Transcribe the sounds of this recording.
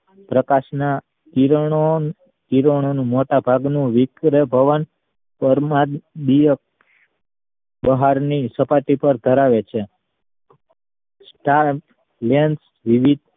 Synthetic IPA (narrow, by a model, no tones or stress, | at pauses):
pɾəkaʃna | t̪iɾɳo | t̪iɾəɳ̃onũmoʈabʱaɡnũʋɪkɾebʱəʋən | pəɾmad̪ijək̚ | bəɦaɾnisəpaʈ̪ipəɾd̪ʱəɾaʋet͡ʃʰe | sʈaɾp | lens | ʋiʋid̪̚ʱ